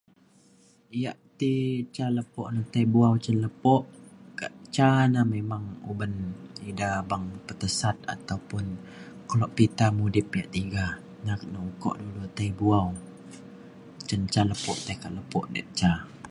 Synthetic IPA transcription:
jaʔt̪it͡ʃaləpɔʔnat̪aibuawt͡ʃənləpɔʔkaʔt͡ʃanamemaŋubənidabaŋpət̪əsat̪̚a̰t̪awpʊnkəlɔʔpit̪amudɪp̚jaʔt̪iɡa | naknaukɔ̰ʔdudut̪aibuaw | t͡ʃənt͡ʃaləpɔʔt̪ajkaʔləpɔʔdɛ̰ʔ̚t͡ʃa

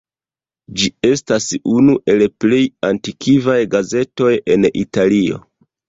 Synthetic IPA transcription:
d͡ʒie̞stasunuʔe̞lple̞jantikʰivajɡaze̞to̞je̞nḭtalio̞̰

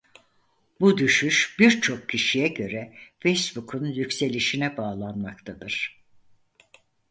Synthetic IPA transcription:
bud̪yʃyʃbiɾt͡ʃʰo̞kcʰːiʃijɛɟø̞ɾɛfejsbukʰunjycʲse̞lʲiʃinɛbaːlˠanmakt̪ʰad̪ɯɾ̥

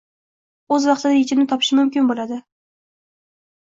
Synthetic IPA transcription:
ɵzwɑqt̪ʰɪd̪ajet͡ʃʰɪnɪt̪ʰɒpʰɪ̥ʃɪmʊmkʲɪnbolad̪ɪ

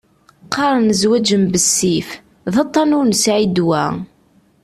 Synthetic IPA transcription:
qːɑɾˤənəzwæd͡ʒəmbəsːif | ðɑt̪ˤːɑnʊɾnsʕid̪wæ̰

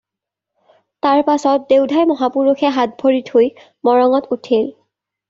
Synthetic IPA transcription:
taɹpasɔt̚deʊdʱajmɔɦapuɹuxʰɛɦat̚bʱoɹithoj | mɔɹɔŋɔtutʰil

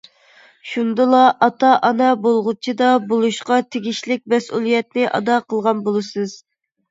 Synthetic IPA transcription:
ʃund̪ɨlˠɑʔɑt̪ɑʔɑnɛbolˠʁʊt͡ʃʰid̪ɑbolˠuʃqɑt̪ʰeɡʲiʃlɪk̚ʲmɛsulˠijɛt̪̚nɪʔɑ̰d̪ɑqʰəlˠʁɑnbolˠɨsɨz̥

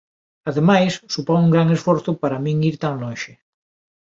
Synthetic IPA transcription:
aðemajsːupoŋuŋɡɾaŋesfoɾθʊpaɾamĩŋiɾt̪aŋlõnʃe

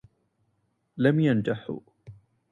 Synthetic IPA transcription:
lamjand͡ʒaħṵ

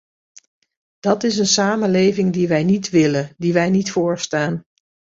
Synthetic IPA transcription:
d̥ɑtɪsənsaːmənlejvɪŋdiʋɛjnitʋɪlədiʋɛjnitfʊːɹstaːn

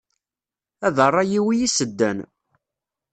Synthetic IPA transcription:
æðərˤːɑjiwijisəd̪ːæ̰n

